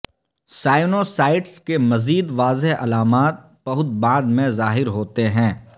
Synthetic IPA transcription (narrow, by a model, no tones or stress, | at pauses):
saːɪnosaːɪʈskemɐziːd̪ʋaːzeɦɐ̰laːmaːt̪̚ | b̥ɐɦʊt̪̚bãːd̪mẽzaːɦɪɾɦoːt̪eɦɛ̃ː